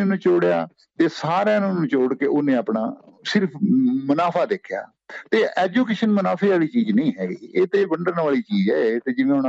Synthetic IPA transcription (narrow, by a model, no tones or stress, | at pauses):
nũːt͡ʃoːɽja̰ː | t̪eːsaːɾãːnũnũːt͡ʃoːɽkeːʔonẽːapna̰ːsɪɾpʰmʊnaːpʰaːd̪eːkʰɪja̰ː | t̪eːʔɛːd͡ʒuːkeːʃənmənaːpʰeːaːliːt͡ʃiːd͡ʒnəĩːɦɛːɡiːeːt̪eːbəɳɖəɾnʋaːliːt͡ʃiːd͡ʒɛːt̪eːd͡ʒɪʋẽːʊn